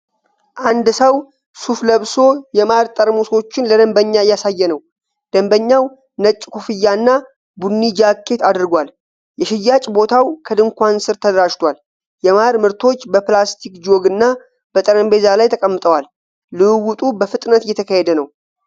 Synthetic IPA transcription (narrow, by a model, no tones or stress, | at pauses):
ʔand̪səw | sufləβso̞jɛmaɾt̪ʼəɾmuso̞t͡ʃːɪnləd̪əmbəɲːajːasajːɛnəw | d̪̥əmbəɲːaw | nət͡ʃʼːkʰufɨjːanːa | bunːid͡ʒakːe̞t̪ad̪ɨɾɡʷal | jɛʃɪjːat͡ʃʼbo̞t̪ʰawkʰəd̪ɨŋkʷansɨɾt̪ʰəd̪əɾaʃt̪ʰwal | jɛmaɾmɨɾt̪ʰo̞t͡ʃːbəplast̪ʰikd͡ʒo̞ɡɨnːa | b̥ət̪ʼəɾəmbe̞zalajt̪ʰəkʼəmːɨt̪ʼəwalː | ɨɨwut̪ʼubəfɨt̪ʼnət̪jɛt̪ʰəkəhed̪ənəw